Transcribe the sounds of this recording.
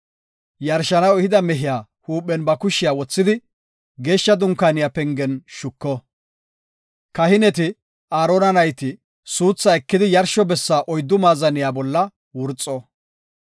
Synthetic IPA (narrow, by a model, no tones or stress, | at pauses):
jɐɾʃɐnɐwɛhɪd̪ɐmɛɦɪjaː | huːpʼːɛnbɐkʊʃɪjaːwɔt͡sːɪd̪ɪ | ɡe̞ːʃːɐd̪ʊŋkːaːnɪjaːpɛŋɡɛnʃʊkːɔ | kɐhɪnɛt̪ɪ | aːɾoːnɐnɐjt̪ɪ | suːt͡sːɐɛkːɪd̪ɪjɐɾʃɔbɛsːaːʔɔjd̪ːʊmaːzɐnɪjaːbɔlːɐ | wʊɾt͡sʼːɔ